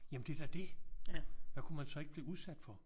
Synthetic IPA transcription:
jæmnd̥e̝d̥æd̥e̝ | ʋ̥ækʰumænsɒ̽e̝ɡ̥əb̥liːuð̞ˠsæd̥fɒ̽

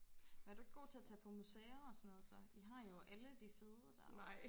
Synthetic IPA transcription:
mænæɐd̥ueɡ̥ɡ̥o̝̰ːt͡sʰe̝ɐt͡sʰɛ̰ːpʰɒ̽museːɐɒ̽sɒnɔːðˠsɒ̽iɦɑ̈jo̝ʔæləd̥ife̝ðˠʁɐd̥æ

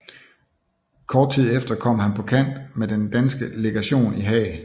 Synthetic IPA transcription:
kʰɒːd̥̚t͡sʰið̞̰ˠefd̥ɐkʰɒ̽m̰hænpʰɒ̽kʰæn̰d̥med̥end̥ænsɡ̥əle̝ɡ̥æɕo̝̰ːniɦɛ̰ː

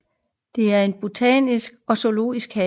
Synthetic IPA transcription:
d̥e̝æɐe̝nb̥ot͡sʰɛ̰nisɡ̥ɒ̽so̝lo̝̰ːisɡ̥hɛ

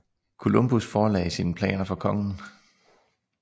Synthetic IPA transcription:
kʰo̝lomb̥usfɒːlɛ̰ɪsiːnəpʰlɛ̰ːnɐfɒ̽kʰɒ̽ŋn̩

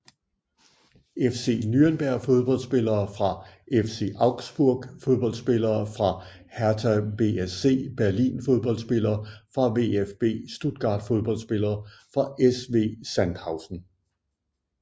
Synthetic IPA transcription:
efse̝̰ːnyɐnb̥æɐ̰fo̝ð̞ˠb̥ɒ̽l̰̥sb̥e̝lɐːfʁɑ̈ʔefse̝̰ʔɑ̈ʊɡ̥sb̥uɐ̰ɡ̥fo̝ð̞ˠb̥ɒ̽ld̥sb̥e̝lɐːfʁɑ̈ | hæɐt͡sʰæb̥e̝ese̝̰ːb̥æɐlḭːnfo̝ð̞ˠb̥ɒ̽ld̥sb̥e̝lɐːfʁɑ̈ʋe̝efb̥e̝̰ːsd̥ud̥̚ɡ̥ɑ̰̈ːd̥fo̝ð̞ˠb̥ɒ̽l̰d̥sb̥e̝lɐːfʁɑ̈esʋe̝̰ːsænd̥hɑ̈ʊsn̩

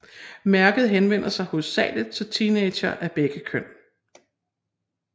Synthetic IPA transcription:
mæɐɡ̥ð̞̩ˠɦenʋen̰ɐsɑ̈ɪhɔ̽sːɛ̰ːləð̩ˠt͡sʰe̝lt͡sʰiːneɪd̥ɕɐʔæb̥eɡ̥əkʰøn̰

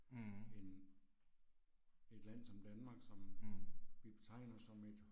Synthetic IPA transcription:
e̝n | e̝d̥læn̰sɒ̽md̥ænmɑ̈ːɡ̥sɒ̽m | ʋib̥e̝t͡sʰɑ̈ɪ̰nɐsɒ̽me̝d̥

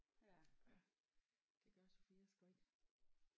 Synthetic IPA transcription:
d̥eɡ̥ɶɐso̝fiːɐsɡ̥ɔ̥

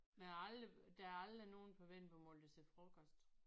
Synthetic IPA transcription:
mealəd̥ææɐɑld̥ʁino̝ːn̩pʰɒ̽ʋen̰b̥ɒmɔld̥əsefʁɔɡ̥ɒsd̥

